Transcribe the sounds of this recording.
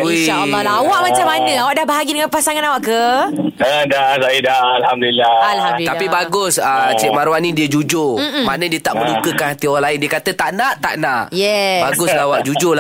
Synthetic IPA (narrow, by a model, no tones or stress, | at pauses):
alawaʔmat͡ʃamːanə̃awaʔdahbəɦaɡidəŋanpasaŋanawaʔkəədasaidaalhamduilːaalhamdt̪apibaɡʊsət͡ʃɛʔ̚maɾwanĩdiəd͡ʒud͡ʒʊmanə̃diət̪aʔməlukəkanhat̪iɔɾanlaɪndiəkat̪ət̪aʔnaʔt̪a̰ʔnaʔjɛbaɡʊslawaʔd͡ʒud͡ʒʊla